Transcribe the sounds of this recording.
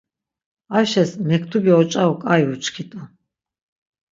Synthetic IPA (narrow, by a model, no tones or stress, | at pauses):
aʃɛsmɛkʰt̪ʰubiɔt͡ʃʼaukʼajut͡ʃʰkʰit̪ʼa